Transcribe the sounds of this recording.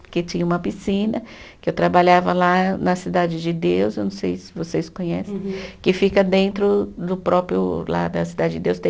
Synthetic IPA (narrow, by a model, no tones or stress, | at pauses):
kɪt͡ʃĩɲɐũmɐpisĩnɐkɪewt̪ɾabaʎavɐlanɐsid̪ad͡ʒɪd͡ʒɪd̪ewzewnɐ̃w̃sejsɪvoseskõɲɛsẽj̃kɪfikɐd̪ẽnt̪ɾʊd̪ʊpɾɔpɾjʊ̰la̰d̪ɐsid̪ad͡ʒɪd͡ʒɪd̪ewst̪ẽ